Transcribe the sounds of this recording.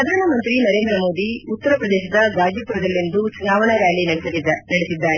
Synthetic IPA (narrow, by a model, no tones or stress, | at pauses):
ɾɐd̪ʱaːnɐmɐnt̪ɾinɐɾeːnd̪ɾɐmo̞ːd̪iut̪ːɐɾɐpɾɐd̪ɛːʃɐd̪ɐɡaːd͡ʒjɐpuɾɐd̪ɐlːind̪usnaːʋɐɳɐʋjaːlinɐɽsɐlid̪nɐɽesid̪ːaːɾe